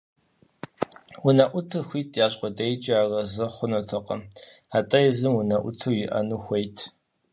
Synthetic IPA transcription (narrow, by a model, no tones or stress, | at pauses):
wʊnɐʔʷʊtʰɨxʷiːtʰjaːɕʼqʷʼɔdɐjt͡ʃʼiaːrɐzɨχʷʊnɐtʰɐqʼɐ̰m | atʼɐjzɨmwʊnɐʔʷʊ̰tʰɨwjɪʔɐ̰nuːxʷejtʰ